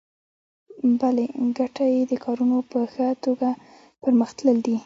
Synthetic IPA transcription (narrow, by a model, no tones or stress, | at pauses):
baleɡaʈajed̪əkʰɑɾunopəxət̪oɡa | pəɾməxt̪ləld̪i